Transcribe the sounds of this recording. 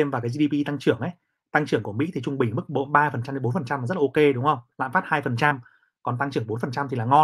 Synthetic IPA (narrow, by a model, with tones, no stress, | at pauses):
e˧mvaː˨˩kaː˨˦jzi˧i˧pi˧t̪a˧ŋt͡ɕɨ˧˩əŋʔə˨˦j | t̪a˧ŋt͡ɕɨ˧˩əŋku˧˩əmḭ˧˥t̪ʰi˨˩t͡ɕʊ˧ŋ͡mɓï˨˩ŋ̟m˦˥k̚ɓo̰˧˥nɓaː˧fə˨˩nt͡ɕa˧mɗe˨˦o˨˦nfə˨˩nt͡ɕa˧mːa˨˩zə˦˥t̚a˨˧ke˧ɗʊ˨˦ŋ͡mhə˧wŋ͡mla̰ː˧˨nfaː˦˥t̚haː˧jfə˨˩nt͡ɕa˧m | kɔ˨˩nt̪a˧ŋt͡ɕɨ˧˩əŋɓo˨˦nfə˨˩nt͡ɕa˧mt̪ʰi˨˩laː˨˩ŋɔ˧